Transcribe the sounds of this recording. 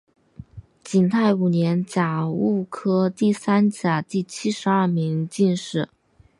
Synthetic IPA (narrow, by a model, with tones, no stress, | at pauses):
t͡ɕi˨˩ŋt̪ʰa˥˩ɪu˨˩njɛ˧˥nt͡ɕja˨˩u˥˩kʰɤ˥t̪i˥˩sa˥nt͡ɕja˨˩t̪i˥˩t͡ɕʰi˥ʂɻ̩˧˥ɐ˥˩mi˧˥ŋt͡ɕi˥˧nʂɻ̩˥˩